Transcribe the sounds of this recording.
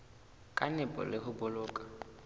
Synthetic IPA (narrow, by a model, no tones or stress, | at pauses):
kʼanɪpʼɔ̰lɪhʊbʊlʊːkʼḁ